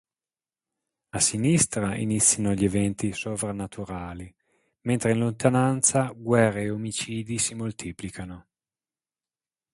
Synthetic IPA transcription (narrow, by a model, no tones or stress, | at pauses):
asinist̪ɾaḭnit̪sːjanoʎːevɛnt̪isovɾanat̪ʰuɾaːli | ment̪ɾeinlont̪anant̪saɡwɛrːeːomit͡ʃiːd̪isimolt̪ʰiːplikano